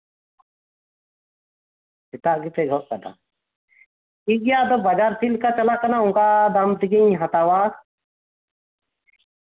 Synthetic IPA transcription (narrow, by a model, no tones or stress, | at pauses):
sit̪aʔɡit̪ɛɡʱɔʔkana̰ | iɡjad̪ɔbad͡ʒaɾsʰilkat͡ʃalakanauŋkad̪amt̪iɡiɲɦat̪awa